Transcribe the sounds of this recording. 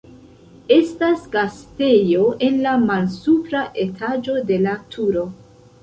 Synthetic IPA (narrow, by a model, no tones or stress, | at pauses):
e̞stasɡaste̞jo̞ʔe̞nlamalsupɾaʔe̞tʰad͡ʒo̞de̞latʰuɾo̞